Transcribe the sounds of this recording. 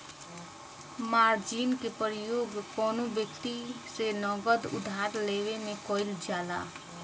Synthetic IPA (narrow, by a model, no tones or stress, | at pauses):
maɾd͡ʒinkepɾijoɡkɔnubjəkt̪isenəɡəd̪ṵd̪ʱaɾleβemekɔɪld͡ʒala̰